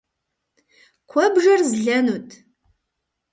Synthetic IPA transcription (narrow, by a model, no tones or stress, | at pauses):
kʷʰɔbʒɐrzɮɐnuːtʰ